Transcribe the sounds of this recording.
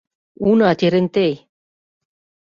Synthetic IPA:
unat̪iɾent̪ej

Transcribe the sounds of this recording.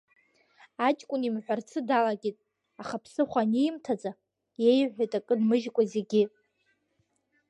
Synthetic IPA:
at͡ʃʼkʷʼʊnimħʷᶣart͡sʰɨdalaɡʲitʼ | aχapʰsɨχʷanejmtʰad͡zʼa | jejʕʷᶣajtʼakʼɨdmɨʒkʷʼazeɡʲɪ

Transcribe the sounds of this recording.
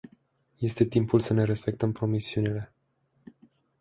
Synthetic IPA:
je̞st̪e̞t̪impulsəne̞ɾe̞spe̞k̚t̪əmpɾo̞misiunile̞

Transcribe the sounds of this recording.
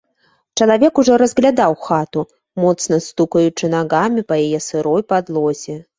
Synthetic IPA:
t͡ʂɐlˠavʲɛkuʐɔɾɐzɣlʲad̪awxat̪u | mɔt̪snɐst̪ukɐjut͡ʂɨnaɣamʲipɐjajɛsɨɾɔjpad̪lˠɔzʲɛ

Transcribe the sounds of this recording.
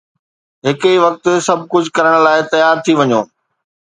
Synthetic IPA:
ɦɪkiʋɐk̚t̪̆sɐb̚ʱkʊd͡ʑʱkɐɾəɽ̃̆laːɪt̪ɐjaːɾt̪ʰiʋɐɲoː

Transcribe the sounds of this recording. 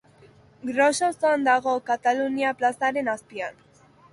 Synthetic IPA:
ɡɾososoand̪aɣ̞o̞kat̪aluniaplasaɾe̞naspian

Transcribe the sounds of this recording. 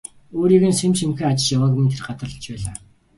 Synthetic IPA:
oːɾiːɣɘ̆nsemʃimxɘ̆ŋat͡ɕɪ̆ʃjawaːɣmʲĭnt̪ʰerɢat̪ə̆ɮə̆t͡ɕpæːɮaː

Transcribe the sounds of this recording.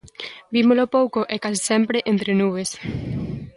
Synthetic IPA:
bimolopowkoʔekasi̥sempɾeʔent̪ɾenuβes

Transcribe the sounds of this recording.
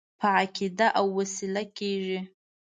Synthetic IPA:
pʰaʕakʲʰidaʔawːasilakʲʰeːʐi

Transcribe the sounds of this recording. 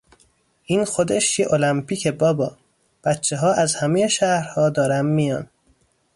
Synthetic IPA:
ʔiːnxod̪eʃjeʔolæmpʰiːcʰebɒːbɒː | b̥æt̪t͡ʃʰːeɦɒːʔæzhæmejeʃæhɾhɒːd̪ɒːɾæmːijɒːn

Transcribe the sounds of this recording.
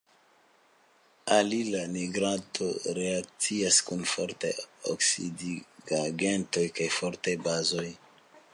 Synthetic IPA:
alilaniɡɾatʰoɾeak̚t͡siaskunfo̰ɾtḛjo̰ksidiɡaɡe̞nto̞jkajfo̞ɾtajbazo̞j

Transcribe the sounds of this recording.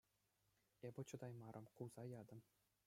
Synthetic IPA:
ebʲɘ̆t͡ɕɤ̆d̪ɑjmɑɾʔɤ̆mkuwz̥ɑjɑd̪ɤ̆m

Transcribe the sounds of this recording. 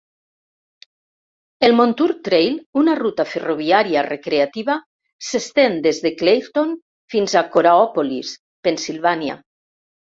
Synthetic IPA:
elmont̪uɾt̪ɾejlunarut̪aferoβiaɾiarekɾeat̪iβa | sest̪end̪ezðeklejɾt̪on | finzakoɾaɔpolḭs | pensilˠβanja̰

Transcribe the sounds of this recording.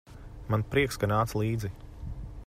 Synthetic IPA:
manpɾiɛkskanaːt̪slˠiːd̪zi

